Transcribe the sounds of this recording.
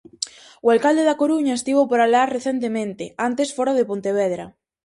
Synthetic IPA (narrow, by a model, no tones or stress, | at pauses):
ʊalkald̪eðakoɾuɲɐest̪iβopoɾalaɾreθent̪̬emẽnt̪ɪant̪esfoɾaðepont̪eβɛðɾɐ̰